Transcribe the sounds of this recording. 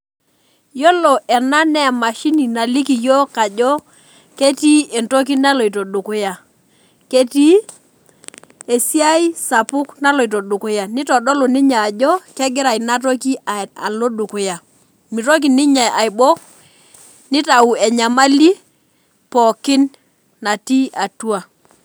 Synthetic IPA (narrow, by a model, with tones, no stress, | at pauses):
jɔ˦lɔ˨ʔɛ˨na˦nɛ˦˨ma˨ʃi˦ni˨na˨li˦ki˨jo˦ka˨d͡ʒɔ˦ | ke˦ti˦e˨nto˦k̬i˦na˦lo˨i˨to˨ɗu˨ku˦ja˨ | ke˦ti˦ | e˨si˦a˦i˦sa˨pʊ˦kna˦lo˨i˨t̬o˨du˨ku˦ja˨nɪ˦tɔ˨dɔ˦lo˨ni˦ɲaː˨d͡ʒɔ˦kɛ˦ɡɪ˦ɾa˨i˨na˦t̬o˦ki˦a˨a̰˨lo˦du˨ku˦ja˨ | mi˨ɾo˦k̬i˨nɪ˦ɲa˨ja˨jbo˦k̚ | nɪ˦ta˨u˨ɛ˨ɲa˨ma˦li˦ | pɔ˨kɪ˦nː | a˨ti˦a˨tu˦a˨